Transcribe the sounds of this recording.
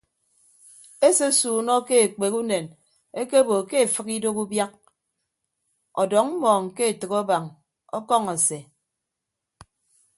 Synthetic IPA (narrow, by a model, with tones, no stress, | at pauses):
e˦se˦suː˨nɔ˦ke˦e˨k͡pe˨ku˦ne˨n | e˦ke˦bo˨ke˦e˨fɨ˦ki˦do˦ku˦bja˦k̚ | ɔ̰˨dɔ˨˦ŋm̩˦mɔː˨ŋ̩˨ke˦e˨tɨ˨kɔ˦ba˨ŋ | ɔ̰˦kɔ˦ŋe˨se˨